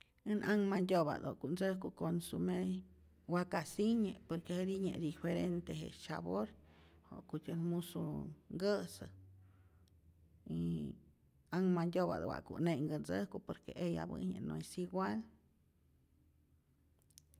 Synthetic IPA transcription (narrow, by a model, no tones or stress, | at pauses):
ɨnʔaŋmandʲoβa̰d̪okund͡zəhkukonsume | wakasiɲepoɾkeheɾiɲḛd̪ifeɾent̪eɦḛsa̰boɾho̰kut̪ʲənmusuŋɡəsɨ | i | aŋmandʲoβa̰d̪o̰wa̰ʔkṵʔneŋɡənd͡zəhkupoɾkeʔeja̰bɨ̰ɲeno̰jsiɡwal